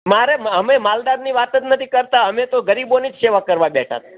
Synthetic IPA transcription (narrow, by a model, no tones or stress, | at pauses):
maɾeməmemald̪aɾniʋat̪ət̪nət̪ʰikəɾt̪aəmet̪oɡəɾibonid͡ʒseʋakəɾʋabɛʈʰa̰t̪